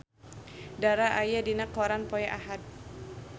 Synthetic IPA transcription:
daɾaʔajadinakːɔɾanpɔjaʔaɦat̪̚

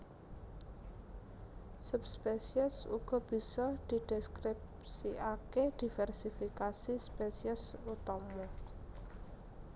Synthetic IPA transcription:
supspesiəsṵɡ̥ɔ̤b̥i̤sɔd̪̥i̤ɖ̪̥ɛskɾip | siaked̪̥i̤fɛrsifikasispesiəsut̪ɔmo

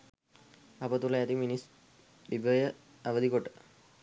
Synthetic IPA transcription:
ɐpət̪ulɐjɐt̪iminis | bibʱəjə | aʋəd̪ʱikoʈːə̥

